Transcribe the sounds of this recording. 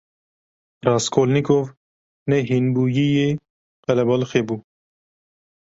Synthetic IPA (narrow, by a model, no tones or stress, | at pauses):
rɑːskʰoːlnikoːv | nɛɦinbuːjije | qɛlɛbɑlxebuː